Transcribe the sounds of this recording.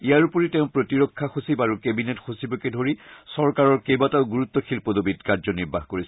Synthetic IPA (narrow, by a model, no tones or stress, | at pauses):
ijaɹupoɹitɛ̃ʊ̃pɹotiɹɔkʰːaxosibaɹukebinetxosibɔkedʱoɹisɔɹkaɹɔɹkejbataʊɡuɹut̪ːɔxʰilpɔdobidkaɹzɔniɹbaxkoɹis